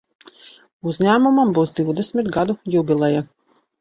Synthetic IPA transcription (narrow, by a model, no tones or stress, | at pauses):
uzɲæːmumambuwsd̪ʲiwd̪ɛsmʲit̪ɡad̪ujubʲilˠɛja